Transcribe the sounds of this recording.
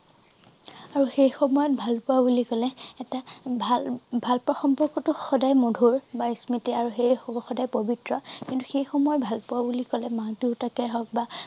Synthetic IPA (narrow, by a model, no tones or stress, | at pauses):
aɹuxejxɔmɔjɔt̚bʱalpʊwabulikɔlɛːtabʱbʱalpɹɔxɔmbɔkːɔtʊxɔdajmodʱuɹbaismitiaɹuxejxɔdajpobitɹɔkintuxejxɔmɔjɔtbʱalpʊwabulikɔlɛmãtuʊtakɛɦɔk̚ba